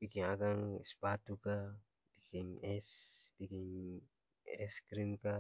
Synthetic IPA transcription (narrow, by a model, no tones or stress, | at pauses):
bikiŋaɡaŋɛspat̪uka | bikiɲɛspikiɲ | ɛskɾimka